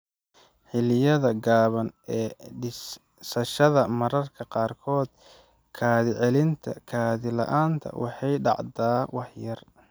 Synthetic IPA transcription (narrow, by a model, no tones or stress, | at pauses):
ħɪlɪjɐðɐɡaːβɐnɛːɖɪs | sɐʃɐðɐmɐɾɐrkʰɐqɑːrkʰɔːd̪̚ | kʰaːðɪʕɛlɪnt̪ʰɐ̰kʰaːðɪlɐ̰ʔaːnt̪ʰɐ̰wʔɑ̰ħɑjɖɑ̰ʕd̪aːwɑħjɐr